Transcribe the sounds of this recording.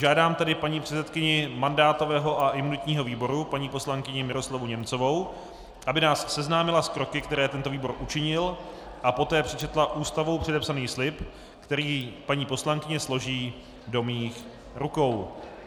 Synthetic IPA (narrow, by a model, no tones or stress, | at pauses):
ʒaːdaːmt̪adɪpaɲiːpr̥ɛt͡sɛt̪kɪɲɪmandaːt̪o̞vɛːɦo̞ʔaʔɪmunɪt̪ɲiːɦo̞viːbo̞ɾupaɲiːpo̞slaŋkɪɲɪmɪɾo̞slavuɲɛmt͡so̞vo̞w | ʔabɪnaːssɛznaːmɪlaskɾo̞kɪkt̪ɛɾɛːt̪ɛnt̪o̞viːbo̞ɾʔut͡ʃɪɲɪl | ʔapo̞t̪ɛːpr̝̥ɛt͡ʃɛt̪laʔuːst̪avowpr̥ɛdɛpsaniːxslɪp | kt̪ɛɾiːpaɲiːpo̞slaŋkɪɲɛslo̞ʒiː | do̞miːx | ɾuko̞w